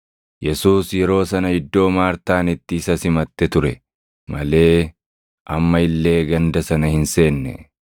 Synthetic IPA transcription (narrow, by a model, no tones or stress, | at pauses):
jɛsuːsjɛɾo̞ːsɐnɐɪd̪ːo̞ːmaːɾt̪aːnɪt̪ːɪːsɐsɪmɐt̪ːɛt̪ʊɾɛ | mɐle̞ː | ʔɐmːɐɪlːe̞ːɡɐnd̪ɐsɐnɐhɪnse̞ːnːɛ̰